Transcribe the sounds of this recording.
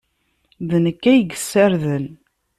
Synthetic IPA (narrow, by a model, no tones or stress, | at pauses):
ðnəkːæjəɡə̥sːæɾðən